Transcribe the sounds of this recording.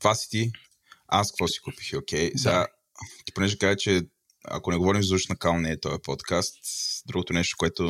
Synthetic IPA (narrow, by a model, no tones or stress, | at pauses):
t̪vasi̥t̪i | askkvɔsi̥kupi̥xokʲɛjsɛɡa | t̪i̥ponɛʒɛkazɛt͡ʃɛ | ɐ̰konɛɡovɔɾimzuʃnɐkalˠnɛːt̪ɔjɐpɔt̪kast̪d̪ɾuɡot̪onɛʃt̪o̥koɛt̪o